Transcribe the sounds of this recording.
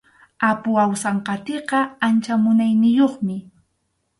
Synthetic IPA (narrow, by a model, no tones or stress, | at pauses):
apʊawsɑɴqɑt̪eqɑant͡ʃamʊnajnɪjoχmɪ